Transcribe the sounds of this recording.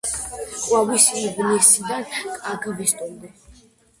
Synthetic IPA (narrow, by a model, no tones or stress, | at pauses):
kʼwavisiʁnɛsid̪ankʼaɡvist̪ʼumd̪ɛ